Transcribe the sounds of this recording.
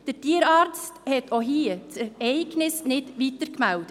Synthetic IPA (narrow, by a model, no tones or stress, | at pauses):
d̥əɾtiːəɾɑːɾt͡sthɛtʰoɦiːət͡sɛɾɛɪɡnɪsnɪdʋitəɾkmæld̥ə